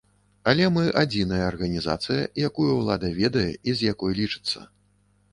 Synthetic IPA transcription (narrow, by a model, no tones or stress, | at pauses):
ɐlʲɛmɨʔad͡zʲinɐjɐːrɣɐnʲiza̰t̪sɨjɐ̰jakujuwlˠad̪ɐvʲɛd̪ɐjɛizʲjakɔjlʲit͡ʂɨ̥t̪sːɐ̰